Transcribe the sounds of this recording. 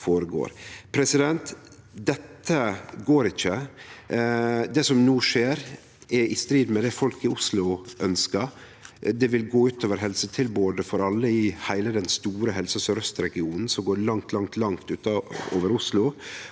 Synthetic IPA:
foːɾəɡo̰ːɾpʰɾɛsɪd̪ɛnt̪ | d̪ɛt̪ʰːəɡoːɾɪçːə | d̪ɛsɔmnuːʂeːɾ | ɛɪst̪ɾiːd̪mɛd̪ɛfɔlkɪʊslʊʔœnskə | d̪ɛʋɪlɡoːʉːt̪oːʋəɾɦɛlsət̪ʰɪlboːd̪əfɔɾɑlːəɪhæɪləd̪ɛnst̪uːɾəɦɛlsəsɔɾœst̪ɾɛɡɪuːnn̩sɔmɡoːɾɭɑŋt̪ʰlɑŋt̪ʰlɑŋt̪ʉːt̪ɑo̰ːʋəɾʊslʊ

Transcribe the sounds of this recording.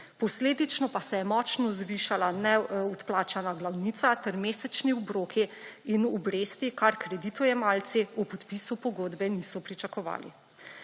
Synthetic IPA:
pɔsleːd̪it͡ʃnɔpasɛjɛmɔt͡ʃnɔzʋiːʃalanɛɔt̪plaːt͡ʃanaɡlawniːt̪sat̪ɛɾmeːsɛt͡ʃniɔbɾoːkʰiinɔbɾeːst̪ikaɾkɾɛd̪it̪ujɛmaːlt̪siupɔt̪pisupɔɡoːd̪bɛnisɔpɾit͡ʃakɔʋa̰ːlḭ

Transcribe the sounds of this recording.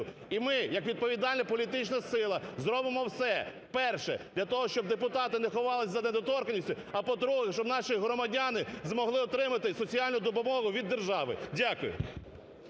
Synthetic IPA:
ʊimɪjɐkʋʲid̪̚pɔʋʲid̪ɑlʲnɐpɔlʲit̪ɪt͡ʃnɐsɪlˠɐzɾɔbɪmɔwsɛ | pɛrʃɛ̰d̪̥ʲlʲɐt̪ɔɦɔʃt͡ʃɔb̚d̪epʊt̪ɑt̪ɪnexɔʋɑlˠɪsʲzɐned̪ɔt̪ɔrkɐnʲisʲtʲʊ | ɐpɔd̪ɾuɦɛʃt͡ʃɔbnɑʃiɦɾɔmɐdʲanɪzmɔɦlˠɪɔt̪ɾɪmɐt̪ɪsɔt͡sʲiɑlʲnʊd̪ɔpʊmɔɦʊʋʲid̪ːerʒɑʋɪ̰dʲakʊjʊ̰

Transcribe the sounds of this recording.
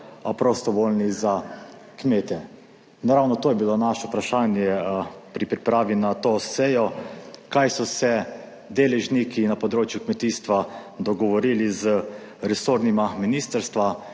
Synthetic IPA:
pɾost̪ɔʋoːlniza | kmeːt̪ɛ | naɾawnɔt̪oːjɛbilonaʃɛupɾaʃaːnjɛpɾipɾipɾaːʋinat̪oːsɛjɔkajsɔsɛ | d̪eːlɛʒnikinapɔd̪ɾoːt͡ʃjukmɛt̪iːst̪ʋad̪ɔɡɔʋɔɾiːlizə | ɾɛsoɾnimaminiːst̪əɾst̪ʋa

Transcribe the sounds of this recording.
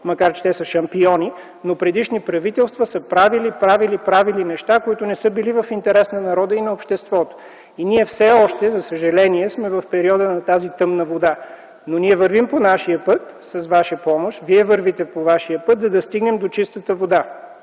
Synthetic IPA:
mɐkaɾt͡ʃɛ̥t̪ɛsəʃɐmpiɔni | nopɾɛd̪iʃnipɾɐvit̪ɛlˠst̪vəsəpɾavilipɾavilipɾavilinɛʃt̪akoit̪ʊnɛsɤbilivɐfint̪ɛɾɛsnɐnɐɾɔd̪əinɐopʃt̪ɛst̪vɔt̪o̥ | iniɛfsɛɔʃt̪ɛzɐsəʒɐlɛniɛsmɛvɐfpɛɾiɔd̪ənɐt̪azit̪ɤmnɐvod̪a | noniɛvəɾvimponaʃiəpɤt̪ | sɐzvaʃəpɔmoʃviɛvɤɾvit̪ɛpovaʃiəpɤt̪zɐd̪ɐst̪iɡnɛmd̪ot͡ʃist̪ət̪əvod̪a

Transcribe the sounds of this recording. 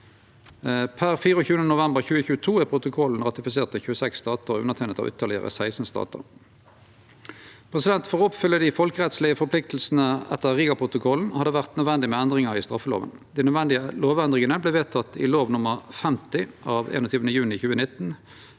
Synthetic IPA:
pʰæʁfiːʁəɔçʉːənənʊʋɛmbəʁçʉːəçʉːət̪ʰuːæpʰʁʊt̪ʊkʰɔln̩ʁɑt̪ɪfɪseːʁt̪əçʉːəsɛksːt̪ɑːt̪əʁʉnəʁt̪ʰɛːnət̪ɑ̰ʋʔʏ̰t̪ʰəʁlɪə̰ʁə̰sæɪsn̩əst̪ɑ̰ːt̪ə̰ʁ | pʰʁɛsɪd̪ɛnt̪foːʁɔpfʏlːəd̪ɪfɔlkəʁɛt̪slɪəfɔʁplɪk̚t̪l̩sn̩əɛ̰t̪ːəʁʁiːɡɑpʰʁʊt̪ʊkʰɔln̩hɑd̪əʋæʁt̪nœd̪ʋɛnd̪ɪmɛænd̪ʁɪŋɑʁist̪ʁɑfːəlo̰ːʋə̰nd̪ɪnœd̪ʋɛnd̪ɪəloːʋɛnd̪ʁɪŋənəbleːʋeːt̪ʰɑt̪ːɪ̰loːʋnʊməʁfɛmt̪ɪʔɑːʋḛːnot̪ʰyːʋnəjʉːnɪçʉːənɪt̪n̩

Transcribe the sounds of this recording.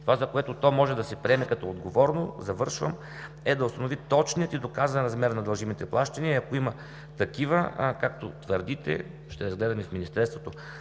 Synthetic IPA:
t̪ovazɐkoɛt̪ot̪ɔmɔʒɛd̪ɐsɛpɾiɛmɛkɐt̪ɔod̪ɡovɔɾnozɐvɤɾʃvə̰m | ɛd̪ɐʊst̪ɐnovit̪ɔt͡ʃnijət̪id̪okazvɐnɾɐzmɛɾnɐd̪ɐlˠʒimit̪ɛplˠaʃt̪ɐniəiɐkoimɐ | t̪ɐkivəkak̚t̪ot̪vəɾd̪it̪ɛ̰ | ʃt̪ɛɾɐzɡlɛd̪ɐmifminist̪ɛst̪vot̪o

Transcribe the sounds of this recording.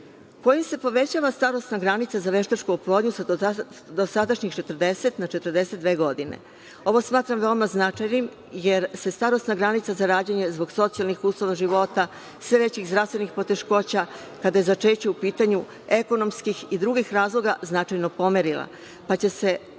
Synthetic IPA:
ko̞jimse̞po̞ʋe̞t͡ɕaːʋast̪aɾo̞st̪naɡɾanit̪sazaʋe̞ʃt̪at͡ʃkuːplˠod̪ɲusa | d̪osad̪aʃɲixt͡ʃet̪r̩d̪eset̪nat͡ʃe̞t̪rd̪e̞set̪d̪ʋe̞ːɡo̞d̪inḛ | o̞ʋo̞smaːt̪ɾamʋeomaznat͡ʂajnim | jeɾse̞st̪aɾo̞st̪naɡɾanit̪sazaɾaːd͡ʑaɲe̞zbo̞ɡso̞t̪sijalˠnixuːslˠoʋaʒiʋo̞t̪a | sʋe̞ʋet͡ɕixzd̪ɾast̪ʋenixpo̞t̪e̞ʃko̞t͡ɕa | kad̪aje̞zat͡ʃet͡ɕeupiːt̪aɲu | eko̞no̞mskixid̪ɾuɡixɾaːzlˠo̞ɡaznat͡ʃajnopo̞meɾilˠa̰ | pat͡ɕe̞se̞

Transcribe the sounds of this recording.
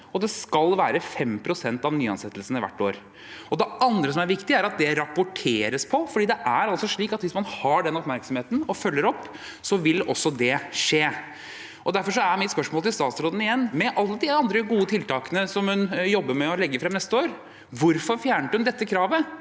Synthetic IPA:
ɔd̪ɛskɑlʋæːɾəfɛmpʰɾʊsɛnt̪ɑʋnyːɑ̰nsɛt̪ːəlsən̩ɪʋæ̰ʈːo̰ːɾ | ɔd̪ɛɑnd̪ɾəsɔmæɾʋɪkt̪ɪæɾɑt̪̚d̪ɛɾɑpʊʈʰeːɾəspʰɔfɔɖiːd̪ɛʔæɾɑlsɔʂɭiːkɑt̪ʋɪsmɑnhɑɖɛnɔpmæɾksɔmheːt̪n̩ɔfœlːəɾɔpː | sɔʋɪlːɔsːɔd̪ɛʂeː | ʔɔd̪æɾfɔʂɔæɾmɪt̪spœʂmoːlt̪ɪlst̪ɑːt̪sɾoːd̪ənɪjɛnːmɛʔɑlːəd̪ɪɑnd̪ɾəɡuːət̪ʰɪlt̪ɑːkənəsɔmhʉnjɔbːəɾmɛɔlɛɡːəɾfɾɛmnɛst̪əoːɾ | ʋʊɾfɔɾfjæːɳəʈʉmnd̪ɛt̪ːəkʰɾɑːʋə

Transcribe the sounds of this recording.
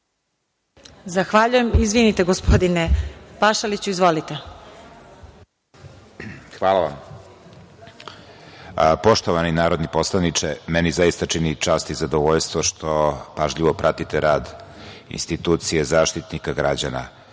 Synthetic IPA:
zaxʋaʎujemizʋinit̪eɡospod̪inepaʃalit͡ɕuizʋolit̪e | xʋaːlˠaʋam | po̞ʃt̪oʋaninaːɾo̞d̪nipo̞slˠanit͡ʃɛmɛnizaist̪at͡ʂinit͡ʃaːst̪izad̪oʋoʎst̪ʋoʃt̪ʰopaʒʎiʋopɾʔat̪it̪eɾaːd̪ḭnst̪it̪uːt̪sijezaːʃt̪it̪nikaɡɾad͡ʑana̰

